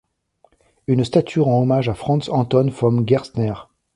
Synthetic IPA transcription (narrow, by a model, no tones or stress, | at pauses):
ynst̪at̪ʰyʁɑ̃ɔmaʒafχɑ̃sɑ̃t̪ɔnfɔmɡʲɛʁsnɛʁ